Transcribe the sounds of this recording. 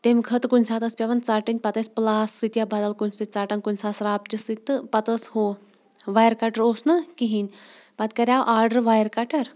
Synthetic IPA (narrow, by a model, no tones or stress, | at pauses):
t̪emkʰət̪kunʲsat̪əspʲjaʋɐnt͡saʈinʲpɐt̪əsplasːit̪jabad̪alkunsit̪̚ʲt͡saʈankunʲsasɾap̚t͡ʃisit̪ːɨpɐt̪əsho | ʋajəɾkaʈəɾosnəkiɦin | pat̪kɐɾʲjaʔaɾɖəɾʋajəɾkaʈəɾ